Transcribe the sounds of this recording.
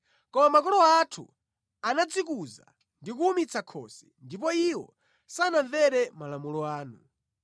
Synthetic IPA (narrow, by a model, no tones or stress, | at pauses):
kɔmamakɔlɔatʰṵ | anad͡zikuza̰ | ndik̬uumit͡sʰakʰɔ̰sɛ̥ndip̬ɔiwɔ̰ | sanaɱvɛɾɛmalamulɔaːnu